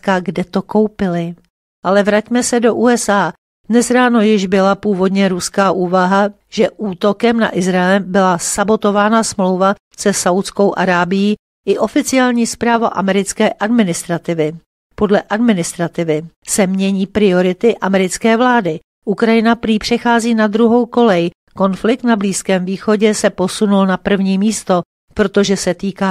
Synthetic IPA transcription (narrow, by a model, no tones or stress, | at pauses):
kaɡdɛt̪o̞ko̞wpɪlɪ | ʔalɛvɾacmɛsɛdo̞ʔuːɛsaː | dnɛsɾaːno̞jɪʒbɪlapuːvo̞dɲɛɾuskaːʔuːvaɦa | ʒ̥ɛʔuːt̪o̞kɛmna̰ʔɪzɾaɛlbɪlasabo̞t̪o̞vaːnasmlowva | sɛsawt̪t͡sko̞wʔaɾaːbɪjiː | ʔɪʔo̞fɪt͡sɪaːlɲiːspɾaːva̰ʔa̰mɛɾɪt͡skɛːʔadmɪnɪst̪ɾat̪ɪvɪ | po̞dlɛʔadmɪnɪst̪ɾat̪ɪvɪsɛmɲɛɲiːpɾɪo̞ɾɪt̪ɪʔamɛɾɪt͡skɛːvlaːdɪ | ʔukɾajɪnapɾiːpr̝̥ɛxaːziːnad̪ɾuɦo̞wko̞lɛj | ko̞nflɪk̚t̪nabliːskɛːmviːxo̞ɟɛsɛpo̞sunulnapr̩vɲiːmiːst̪o̞ | pɾo̞t̪o̞ʒɛsɛt̪iːkaː